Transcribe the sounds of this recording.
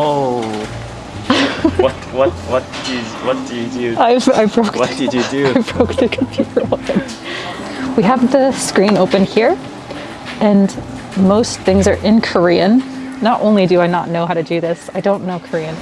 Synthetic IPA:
o | wʌtwʌt̚wʌt̚d̥ɨ | wʌt̚d̥ɨjɨdʉaɪva̰ɪbɹoʊkwʌd̥ɨd͡ʒɨdʉaɪbɹoʊkðɨkʰɨd̚piɔɪ | wiəvðɨskɹĩnoʊpɨ̃nhiɹ | ɨ̃n | moʊsθɪ̃ŋzə˞ʔɪ̃nkʰə˞iɨ̃nːəɾʔõ̰ʊ̃nlidɨaɪnətⁿnoʊɦaʊɾɨdɨðɪsaɪdõʊ̃nːoʊkʰə˞iɨ̃n

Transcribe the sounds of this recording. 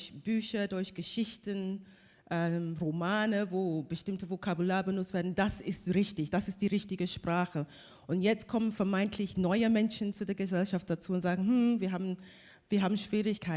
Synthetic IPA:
çb̥yːçɐdʊɐçɡ̥əʃɪçtən | ʔɛmʁomaːnəvoːbəʃtɪmtəvokʰabulaːɐbənʊt͡stv̥eːɐdn̩d̥asɪstʁɪçtɪçd̥asɪstd̥iːʁɪçtɪɡəʃpʁ̥aːχə | ʔʊntjɛt͡stkʰɔmənfɛɐmaɪntʰlɪçnɔʏəmɛnʃn̩t͡sudeːɐɡəzɛlʃaft̚d̥at͡suːʊntz̥aːɡŋ̩hm̩viːɐɦaːbm̩ | viːɐɦaːbm̩ʃv̥iːʁɪçkʰaɪ

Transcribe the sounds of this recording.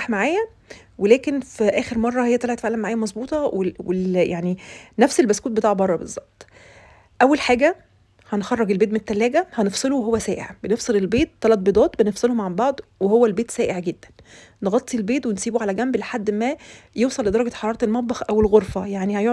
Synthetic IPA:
ħmaʕaːjæ | welæːkenfiʔæːxeɾmɑrˤːɑhejːæt̪leʕt̪faʕlːæmaʕaːjæmɑzˤbuːt̪ˤɑwewejaʕninæfselbæskuːt̪bet̪aːʕbɑrˤːɑbḛzˤːɑb̥̚t̪ˤ | ʔæwːælħaːɡæ | hænxɑrˤːɑɡelbeːt̪̬menet̪ːælːæːɡæhænefsˤeluweɦowːæsæːʔḛʕb̥enefsˤelelbeːt̪ːɑlɑt̪̚ˤbed̪ˤɑːt̪ˤbenefsˤelhomʕambɑʕd̪ˤwehowːælbeːt̪sæːʔeʕɡed̪ːæn | neɣɑt̪ˤːilbeːt̪wensiːbuʕalæɡæmbleħad̪ːmæjewsˤɑlːed̪ɑɾˤɑɡæħɑɾˤɑːɾˤɑt̪elmɑt̪̚ˤbɑxʔæwelɣoɾfæjaʕnihæjo

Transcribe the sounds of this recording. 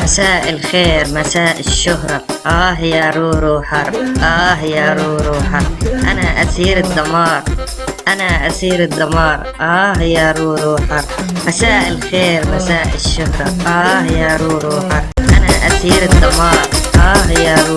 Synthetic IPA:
masaːʔɪlxeːɾmasaːʔɪʃːʊɦɾˤɑʔaːɦɪjaɾˤuːɾuːħɑɾˤʔaːɦɪjaɾˤuːɾuːħɑɾˤʔa̰naʔasiːɾɪd̪ːɑmɑːɾˤ | ʔanaʔasiːɾɪd̪ˤːɑmɑːɾˤʔaːɦɪjaɾˤuːɾuːħɑɾˤmasaːʔɪlxeːɾmasaːʔɪ̰ʃːʊhɾˤɑʔaːhɪjaɾuːɾuːħɑɾˤʔanaʔasiːɾɪd̪ːɑmɑːɾˤʔaːɦɪjaɾ

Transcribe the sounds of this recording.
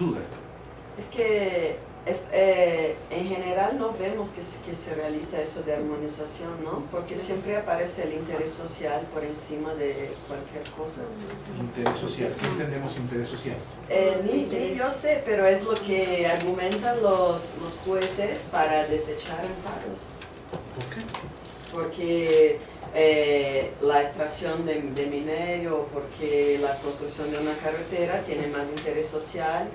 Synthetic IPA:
d̪uða̰s | eske | esɛẽŋheneɾalnõβẽmoskeskeserealisɐesoðeaɾmõnisasjõnnõpoɾkesjẽmpɾeapaɾeseːlint̪eɾesːosjalpoɾẽnsimɐðekwalkjɛɾkosɐ | int̪eɾesːosja̰lẽnt̪ẽnd̪emosint̪eɾesːosja̰l | ɛmiẽʎosepeɾoezlokeaɾɣumẽnt̪anloslosxwesespaɾaðeset͡ʃaɾempa̰ɾo̰s | poɾke | poɾke | e | laest̪ɾasjond̪ed̪emineɾjopoɾkʰelakonst̪ɾuksjo̞nd̪eunakaret̪eɾat̪jenemas̬int̪eɾesːosjal

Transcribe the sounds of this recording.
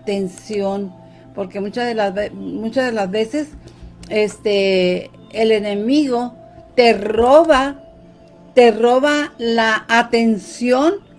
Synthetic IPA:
t̪ensjo̞n | poɾkemut͡ʃaðelazβemut͡ʃazðelazβe̞se̞sest̪e | ele̞ne̞miɣo̞ | t̪e̞roβa | t̪eroβalaːt̪e̞nsjo̞n

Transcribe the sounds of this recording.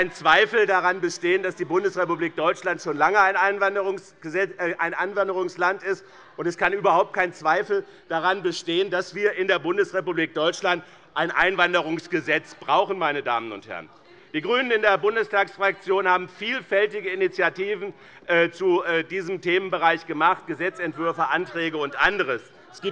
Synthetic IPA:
aɪnt͡sv̥aɪfl̩daʁanbəʃteːəndasd̥iːbʊndəsʁepubliːk̚d̥ɔʏt͡ʃlantʃoːnlaŋəaɪnaɪnvandəʁʊŋsɡ̥əzɛʔaɪnʔaɪnvandəʁʊŋslantɪst | ʔʊntɛskanʔyːbɐɦaʊp̚t̚kʰaɪnt͡sv̥aɪfl̩ | d̥aʁanbəʃteːəndasv̥iːɐɪndeːɐbʊndəsʁepubliːk̚d̥ɔʏt͡ʃlant | ʔaɪnʔa̰ɪnvandəʁʊŋsɡ̥əzɛt͡sb̥ʁaʊxn̩maɪnəda̰ːmənʊ̰nthɛ̰ʁən | d̥iːɡʁyːnənɪndeːɐbʊndəstaːksfʁ̥ak̚t͡sjoːnhaːbm̩fiːlfɛltɪɡəɪnit͡sjatiːvn̩ː | t͡suːdiːzəmteːmənbəʁaɪçɡ̥əmaχt̚ɡ̥əzɛt͡sɛntv̥ʏɐfɐʔantʁ̥ɛːɡəʊntʔandəʁəs | ɛsɡ̥iː

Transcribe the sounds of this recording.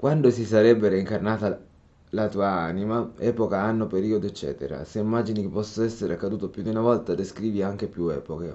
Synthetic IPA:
kwʔand̪osisaɾɛbːeɾeiŋkarnaːt̪a | lat̪uːaanimaɛːpokaanːopeɾiːod̪oet͡ʃːɛ̰ːt̪ḛɾa̰seimːad͡ʒinik̟epːɔsːoɛsːeɾeakːad̪uːt̪opjud̪iunavɔlt̪ad̪eskɾiːviaŋk̟epjuɛːpoke

